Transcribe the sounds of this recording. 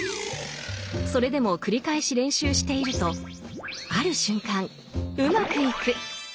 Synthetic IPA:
so̞ɾe̞d̪e̞mo̞kɯ̟ɾʲikaeɕiɾẽ̞ɕɨːɕi̥t̪e̞iɾɯ̟t̪o̞ | aɾɯ̟ɕɨ̃ŋkãŋ | ɯ̟makɯ̟ikɯ̟

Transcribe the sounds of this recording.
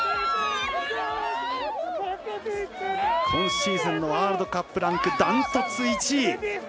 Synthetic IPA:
hʰõɰ̃ɕiːsãnːoβaːɾɯd̪o̞kapːɯ̟ɾãŋkɯ̟d̪ãnt̪at͡sɨit͡ɕi

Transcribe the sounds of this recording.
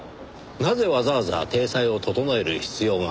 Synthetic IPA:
naze̞βazaβaza̰t̪e̞ːsaio̞t̪o̞t̪o̞noe̞ɾɯ̟çi̥t͡sɨjo̞ːŋa

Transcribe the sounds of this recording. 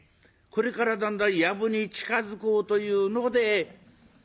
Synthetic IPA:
ko̞ɾe̞kaɾad̪ãnd̪ãɰ̃jabɯ̟ɲ̟it͡ɕi̥kazɨko̞ːt̪o̞jɯ̟ːno̞d̪e̞

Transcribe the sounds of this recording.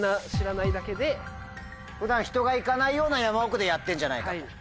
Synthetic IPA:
naɕiɾanaid̪ake̞d̪e̞ | ɸɯ̟d̪ãɰ̃çi̥t̪o̞ɡaikanaijo̞ːnajamaokɯ̟d̪e̞jat̪ːẽ̞ɲ̟d͡ʑana̰iai

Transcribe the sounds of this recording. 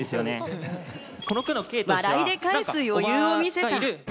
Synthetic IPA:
esɨjone | konokɯnokeːt̪maɾaid̪e̞kkaisɨjo̞jɯːomʲise̞t̪aɾ

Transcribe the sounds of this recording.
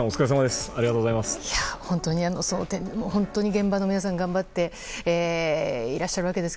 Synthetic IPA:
ot͡sɨ̥kaɾes̬amad̪esɨ̥aɾiɡat̪oːɡozaimasɨ̥jahõ̞nt̪o̞ɲ̟iano̞soːt̪ẽnmohõ̞nt̪oɲ̟iɡẽ̞mbano̞mʲinas̬ãŋɡãmbat̪ːe̞ | eːiɾaɕːaɾɯβake̞d̪e̞sɨ̥

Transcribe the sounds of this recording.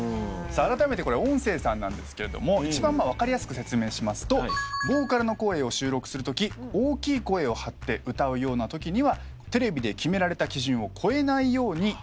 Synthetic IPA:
saːɾat̪ame̞t̪e̞ko̞ɾeõ̞ɰ̃se̞ːsãnːã̰nd̪e̞sɨ̥ke̞ɾe̞d̪o̞̰mo̞it͡ɕibãmːaβ̞akaɾʲijasɨ̥kɯ̟se̞t͡sɨme̞ːɕimasɨ̥t̪o̞bo̞ːkaɾɯ̟no̞ko̞e̞ːo̞ɕɨːɾo̞kɯ̟̥sɨɾɯ̟t̪o̞kʲioːkʲiːko̞e̞ːo̞hat̪ːe̞ʔɯ̟t̪aɯ̟jo̞ːnat̪o̞kʲiɲ̟iβa | t̪e̞ɾe̞bʲid̪e̞kʲime̞ɾaɾe̞t̪akʲiʑĩɰ̃o̞kʰo̞e̞naijo̞ːɲ̟i

